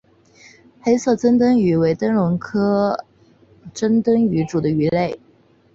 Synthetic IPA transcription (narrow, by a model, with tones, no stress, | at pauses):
xe˥ɪsɤ˥˩t͡sə˥nt̪ə˥ŋy˨˥˩we˧˥ɪt̪ə˥ŋlʊ˧˥ŋkʰɤ˥ | ʈ͡ʂə˥ŋt̪ə˥ŋy˧˥ʈ͡ʂu˨˩d̪ə˦y˧˥le˥˩ɪ